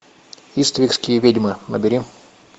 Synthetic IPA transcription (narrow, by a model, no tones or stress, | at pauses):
ist̪əvʲɪkskʲɪjəvʲedʲmɨnəbʲɪɾʲim